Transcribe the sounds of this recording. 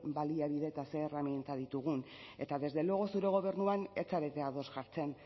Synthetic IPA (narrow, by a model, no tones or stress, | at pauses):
baliaβiðe̞t̪ase̞ːramjent̪að̞it̪uɣ̞une̞t̪aðe̞zðe̞loɣo̞suɾe̞ɣ̞o̞β̞e̞ɾnuane̞t͡saɾe̞t̪e̞aðo̞sʝaɾt͡se̞n